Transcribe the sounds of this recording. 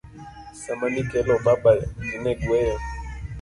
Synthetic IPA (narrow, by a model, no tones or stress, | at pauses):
samanikɛlɔɓabaminɛdwɛjɛ